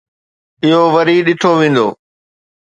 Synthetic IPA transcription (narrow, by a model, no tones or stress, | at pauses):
ɪɦoʋɐɾiɗɪʈʰoʋẽːn̆d̪o̰ː